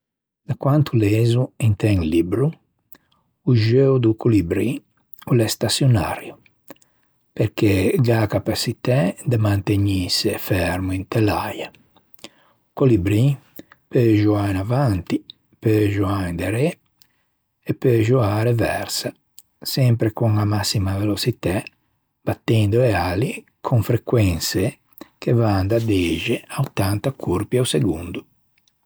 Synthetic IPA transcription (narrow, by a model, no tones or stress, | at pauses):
d̪əkwant̪ʰuleːzuint̪ɛŋlibɾu | uʒewd̪ukʰulibɾi | ulɛst̪asjona̰ɾju | peɾkeɡakapasit̪ɛd̪əmant̪eɲisefɛɾmuint̪elaja | ukolibɾi | pøʒuajnavant̪i | pøʒuajnd̪eɾɛ | ɛpːøʒuaːɾevɛɾsa | sɛmpɾekuŋamasːimavelosit̪ɛ | b̥at̪ːɛnd̪oɛali | kʰoɱfɾekwɛnse | kʰevand̪ad̪eʒeaut̪ːant̪akʰuɾpiauseɡund̪u